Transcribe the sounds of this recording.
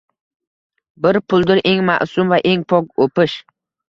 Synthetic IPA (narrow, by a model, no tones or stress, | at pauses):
bɪɾpʰʊlˠd̪ɪɾʔe̞ŋma̰ʔsʊmvaʔe̞ŋpʰɒkopɪʃ